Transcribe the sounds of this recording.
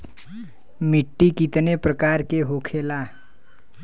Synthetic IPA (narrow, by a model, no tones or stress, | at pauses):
mɪʈːikit̪nepɾəkaːɾkeɦokʰeːlaː